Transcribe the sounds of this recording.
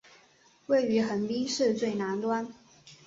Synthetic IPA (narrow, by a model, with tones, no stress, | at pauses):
we˥˩ɪy˨˥xə˨˩npi˥ʂɻ̩˥˧t͡swe˥˨˩ɪna˧˦˥nt̪wa˦n